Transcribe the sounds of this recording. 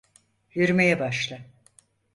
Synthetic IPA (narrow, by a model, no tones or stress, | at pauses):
jyɾyme̞jɛbaʃlˠa